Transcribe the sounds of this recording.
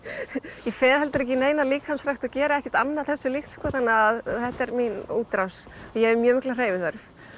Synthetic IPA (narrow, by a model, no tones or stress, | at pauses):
jɛfɛːɾhɛlt̪ʏɾɛhcːɪnejnaliːkhansfɾajxt̪ɔcɛːɾɪɛhcɪ̥t̪anːaðθɛsːʏlɪxt̪skvɔːθanːaðθɛht̪ɛɾminuːt̪ɾaws | jɛɛɾmjœːmɪhklar̥eːjvɪθœɾf